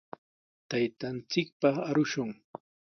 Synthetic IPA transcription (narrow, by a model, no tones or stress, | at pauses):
t̪ajt̪ant͡sɪk̚pɑaɾʊʃʊŋ